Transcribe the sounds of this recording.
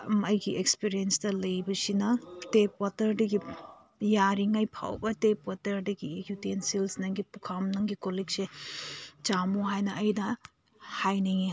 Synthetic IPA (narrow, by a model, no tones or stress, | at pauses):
mɐjɡiʔekspiɾijenstɐlɐjbɐsinɐtepwatɐɾdɐɡi | jaɾiŋajpʰa̰wbɐtepwatɐɾdɐɡikjutiensilsnɐŋɡipukʰamnɐŋɡikolikse | t͡ʃamuɦajnɐɐjnɐ | hajniŋi